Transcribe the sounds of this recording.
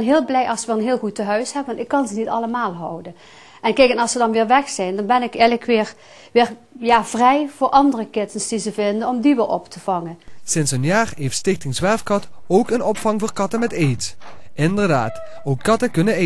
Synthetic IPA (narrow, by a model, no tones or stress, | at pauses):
nɦɪːlˠblɛjʔɑlˠsʋələnɦɪːlˠɣutəɦœɥshɛpʋɑntɪkːɑnzənitɑləmaːlˠɦɔwdən | ʔɛnkɛjkənɑlˠsədɑnʋɪːɹʋɛxsɛjndɑnbɛnɪkɛləkʰʋɪːɹ | ʋɪːr | jaːv̥rɛjv̥ʊːɹʔɑndərəkɪtənsd̥izəvɪndənɔmdiʋɪlˠɔ̰ptʰəv̥ɑŋənsɪnsənjaːrɦejftstɪxtɪŋzʋɛɹfkɑtowkənɔpfɑŋvoːɹkɑtəmɛtejt | ɪndərdaːt | owkːɑtəkɵnəe